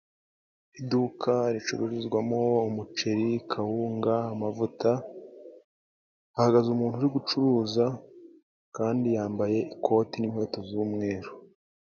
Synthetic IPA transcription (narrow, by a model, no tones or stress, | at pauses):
idukʰaɾit͡ʃuɾuʒizɡwamo̞umut͡ʃeɾikʰahuːŋɡaːmavuta | haɡazumuːnhuɾiɡut͡ʃuɾuːza | kaːndijaːmbaje̞ikʰo̞tinimho̞ːto̞zuːmŋe̞ːɾo